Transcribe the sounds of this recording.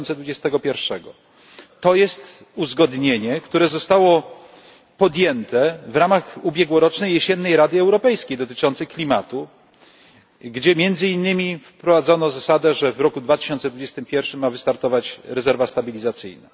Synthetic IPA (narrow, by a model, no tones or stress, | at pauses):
nsɛd̪vud͡ʑɛst̪ɛɡɔpʲjɛɾfʂɛɡɔ | t̪ɔjɛst̪ | uzɡɔd̪ɲeɲɛkt̪uɾɛzɔst̪awɔ | pɔd̪jɛnt̪ɛvɾamaxubʲjɛɡwɔɾɔt͡ʂnɛjːeɕɛnːɛjɾad̪ɘɛwɾɔpɛjskʲejd̪ɔt̪ɘ̥t͡ʂɔnt̪sɛklʲimat̪u | ɡd͡ʑɛmʲjɛnd̪zɘinːɘmʲifpɾɔvad̪zɔnɔzasad̪ɛʐɛvɾɔkud̪vat̪ɘ̥ɕɔnt̪sɛd̪vud͡ʑɛst̪ɘmpʲjɛɾfʂɘmːavɘst̪aɾt̪ɔvat͡ɕɾɛzɛɾvast̪abʲilʲizat̪sɘ̰jna̰